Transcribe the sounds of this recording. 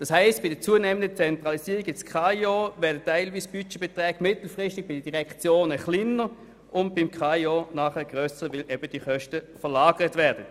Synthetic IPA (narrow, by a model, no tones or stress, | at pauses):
d̥ɑshaɪstb̥ɪd̥əɐt͡suːənɛːməndət͡sɛntʁɑlisiːʁiɡɪt͡skʰɑjoːvɛɐdətːaɪlviːsb̥yt͡ʃeb̥etʁɛːɡ̥mɪtl̩fʁɪstɪɡ̚b̥ɪd̥əd̥iʁɛkt͡sjoːnəχlinəʁ | ʊntb̥ɪmkʰɑjonɑːχɛɡ̥ʁøːsəʋɪlʔɛb̥əd̥iχœʃtəfəɐlaːɡ̥əʁətvɛɐd̥ə